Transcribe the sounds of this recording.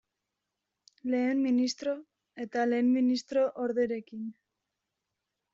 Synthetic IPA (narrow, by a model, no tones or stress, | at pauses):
le̞ːmminist̪ɾo̞ | e̞t̪ale̞ːmminist̪ɾo̞ʔoɾðeɾe̞kin